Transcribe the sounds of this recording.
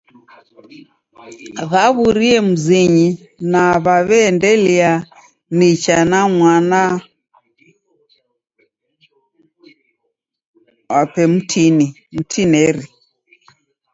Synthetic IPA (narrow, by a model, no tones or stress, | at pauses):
ɣaβuɾiɛm̩ziɲi | naβaβɛːndɛlia | nit͡ʃanamwana | wapɛm̩tʰini | m̩tʰinɛɾi